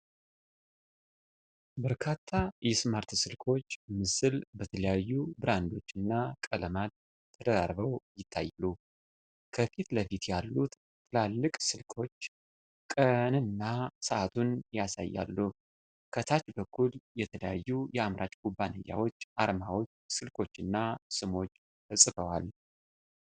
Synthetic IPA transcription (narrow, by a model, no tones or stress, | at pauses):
bəɾkʰat̪ʰːajɛsmaɾt̪sɨlkʰo̞t͡ʃːmɨsɨlbət̪ʰələjajːubɨɾand̪o̞t͡ʃːɨnːakʼələmad̪ʰ | əd̪əɾaɾβəwjɪt̪ʰːa̰jːlu | kʰəfit̪ləfit̪jalːut̪ | t̪ʰːɨlalːɨkʼsɨlkʰo̞t͡ʃː | kʼənɨnːasəʔat̪ʰunjasa̰jːa̰lːu | kʰət̪ʰat͡ʃbəkʰːuljɛt̪ʰələjajːujɛamɾʔat͡ʃʼkʰubːanə̰jːa̰wo̞t͡ʃːʔaɾmawo̞t͡ʃːsɨlkʰo̞t͡ʃːɨnːasɨmo̞t͡ʃː | fʰəsʼɨfəwa̰l